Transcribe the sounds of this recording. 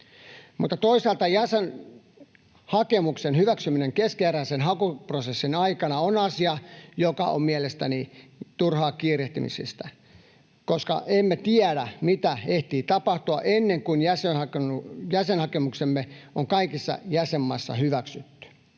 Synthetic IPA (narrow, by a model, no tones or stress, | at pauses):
mut̪ːɑt̪oisɑːlt̪ɑjæsen | hɑkemuksenhyʋæksymineŋkeskeæræisenɦɑkuprosesːinɑikɑnɑonɑsiɑjokɑ̰o̰mmielest̪ænit̪urhɑːkiːreht̪y̰mḭsḭst̪æ | koskɑ̰ʔemːet̪iæɾæmit̪æeht̪iːt̪ɑpɑht̪uɑʔenːeŋkunjæsenhɑknujæsenhɑkemuksemːeoŋkɑikisːɑ̰jæsemːɑisːɑ̰hyʋæksyt̪ːy̥